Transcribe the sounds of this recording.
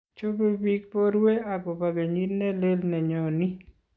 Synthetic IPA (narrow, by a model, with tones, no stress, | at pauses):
t͡ʃo˦be˦bi˦k̚pɔ˦ɾwe˦a˨ɡo˨ba˨ɡe˨ɲi˦tnɛ˦le˦lnɛ˨ɲɔ˨ni˦